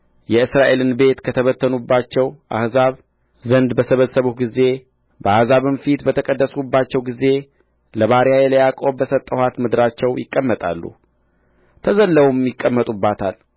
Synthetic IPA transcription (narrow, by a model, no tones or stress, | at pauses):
jɛɨsɾaʔe̞lɨnbe̞t̪kʰət̪ʰəβət̪ʰːənubːat͡ʃːɛwʔa̰hzaβ | zənd̪bəsəβəsːəβuɡize̞ | bəahzaβɨnfit̪bət̪ʰəkʼəd̪ːəsubːat͡ʃːɛwɡize̞ | ləβaɾjajɛləjakʼo̞bəsət̪ʼːəhʷwat̪mɨd̪ɨɾat͡ʃːɛwjɪkʼːəmːət̪ʼa̰lːṵ | t̪ʰəzəlːəwumjɪkʼːəmːət̪ʼubːat̪ʰal